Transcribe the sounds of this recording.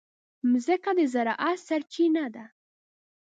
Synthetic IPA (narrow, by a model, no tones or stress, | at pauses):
mʊzekad̪ezaɾaʔasaɾt͡ʃinad̪a